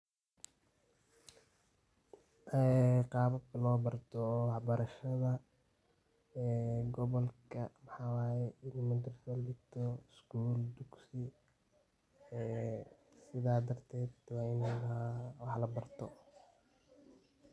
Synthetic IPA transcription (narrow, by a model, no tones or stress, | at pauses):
ʔɛqɑːβɐkʰɐlɔːbɐrt̪ʰɔwɑħbɐɾɐʃɐðɐ | ɛɡɔβɔlkʰɐmɐħɑːwaːjɛɪnɛmʊd̪ɪrsɐlɪɡt̪ʰɔɪskuːld̪ʊɡsɪ | ɛːsɪðaːd̪ɐrt̪ʰɛːd̪wɑːɪnɛɐawɑħlɐbɐrt̪ʰɔ